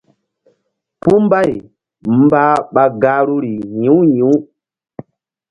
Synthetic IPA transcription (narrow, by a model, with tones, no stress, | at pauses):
pu˦m˦ba˦˨j | m̩˦ba˦ɓa˨ɡa˨˦ɾu˦ɾi˨ɲĩ˨˦ɲĩ˨˦